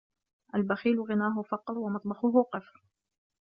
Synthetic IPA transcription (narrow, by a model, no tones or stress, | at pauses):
ʔalbaxiːlɣɪnaːɦʊfɑqɾˤwamɑt̪ˤbɑxʊɦʊqɨfɾ